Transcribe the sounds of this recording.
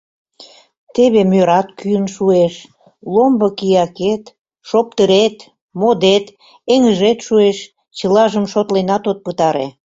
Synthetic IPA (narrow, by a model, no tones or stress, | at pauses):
t̪eβemøɾɑt̪kyənʃueʃ | lombəkijɑket̪ | ʃop̚t̪əɾet̪ | mod̪et̪ | eŋəʒet̪ʃueʃ | t͡ɕəlɑʒəmʃot̪lenɑt̪ot̪̚pət̪ɑɾḛ